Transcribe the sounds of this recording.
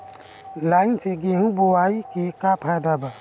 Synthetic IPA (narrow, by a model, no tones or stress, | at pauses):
laːɪnseɡẽɦũboaikekapʰad̪aba